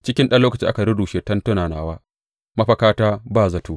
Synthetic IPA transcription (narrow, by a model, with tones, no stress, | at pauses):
t͡ʃɪ˦kʲɪ˦nɗɐ˦nlːoː˦kɐ˨t͡ʃɪ˦ʔa˦ka˨ɽʊ˦duː˨ʃe˦tɐ˦ntʊ˦naː˨naː˦waː˦ | mɐ˦ɸɐ˨kaː˦taː˦baː˦˨zɐ˨toː˦